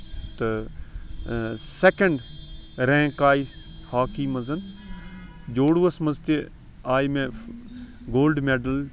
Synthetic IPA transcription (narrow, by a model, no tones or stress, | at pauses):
t̪ɐ | sekɐɳɖɾẽːkaːi | haːkiːmɐzɐn | d͡ʒoːɽʋɐsmɐzt̪e | aːjmẽ | ɡoːlɖmeːɖɐl